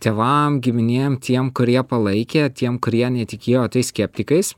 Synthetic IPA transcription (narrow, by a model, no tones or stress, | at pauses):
t̪ʲeːʋɐmɡʲɪmʲɪnʲeːjmt̪ʲiɛmkʊɾʲiɛpɐlˠɐɪkʲet̪ʲiɛmkʊɾʲiɛnʲɛt̪ʲɪkʲeːjoːt̪ɐɪsʲkʲɛpʲt̪ʲɪkɐɪs